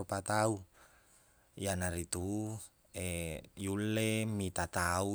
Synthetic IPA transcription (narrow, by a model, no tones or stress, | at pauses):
ɔpat̪au | janaɾit̪u | ejulːemit̪at̪au